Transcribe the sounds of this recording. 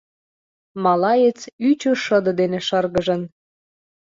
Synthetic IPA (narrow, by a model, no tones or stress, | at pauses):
mɑlɑjet͡syt͡ɕoʃəd̪ɤ̆d̪enĕʃɤrɣəʒə̆n